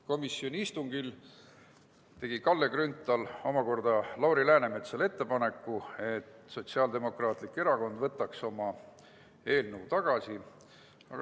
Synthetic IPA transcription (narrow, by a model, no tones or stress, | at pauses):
ko̞misːio̞nʲiist̪uŋɡil | t̪e̞ɡ̥ikɑlːe̞ɡrynt̪ːˑɑlo̞mɑko̞rd̪̥ɑlɑwɾilæːnemet̪sɑle̞t̪ːe̞pɑne̞kːue̞t̪so̞t̪ʲsiɑld̪e̞mo̞krɑːt̪ˑlikːe̞ɾɑko̞nd̪vɤt̪ːˑɑkso̞mɑ | e̞ːlnəut̪ɑɡ̥ɑsi | ɑ̰ɡ